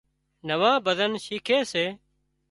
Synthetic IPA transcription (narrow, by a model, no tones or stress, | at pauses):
nəʋãːbəd̪ənʃiːkʰeːseː